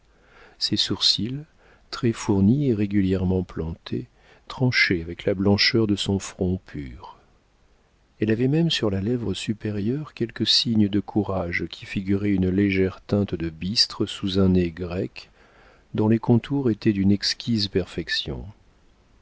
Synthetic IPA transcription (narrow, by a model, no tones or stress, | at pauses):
sesuʁsil | t̪χɛfuʁnieʁeɡʲyljɛʁmɑ̃plɑ̃t̪ʰe | t̪χɑ̃ʃeavɛklablɑ̃ʃœʁd̪əsɔ̃fχɔ̃pʰyʁ | ɛlavɛmɛmsyʁlalɛvʁəsypeʁjœʁkʲɛlkəsiɲd̪əkʰuʁaʒkʲʰifiɡʲyʁɛynleʒɛʁt̪ɛ̃t̪d̪əbist̪χəsuzɛ̃neɡʁɛk | d̪ɔ̃lekɔ̃t̪ʰuʁet̪ɛd̪ynɛkskʲizpɛʁfɛksjɔ̰̃